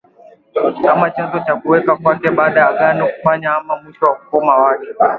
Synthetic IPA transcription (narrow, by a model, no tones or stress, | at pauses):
amːat͡ʃɛnzot͡ʃakʷuwekakʷakebaːdaaɡaːnakʷuɸaɲaʔamːamuʃowakʷukʷoːmawaːke